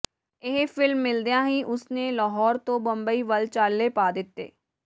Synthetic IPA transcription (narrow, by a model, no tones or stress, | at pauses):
ɪɦpʰɪlmːɪld̪ejãːɦĩːʔʊsneːlaːɦɔːɾt̪õːbəmbəiːʋəlt͡ʃaːlːeːpaːd̪ɪt̪ːḛː